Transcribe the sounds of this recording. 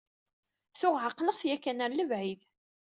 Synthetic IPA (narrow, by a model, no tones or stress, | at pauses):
θʊʁʕaqːləʁθjækːænæɾləvʕið